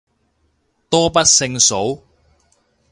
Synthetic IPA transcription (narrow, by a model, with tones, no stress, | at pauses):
t̪ɔː˥pɐ˥t̚sɪ˧ŋso˨˥w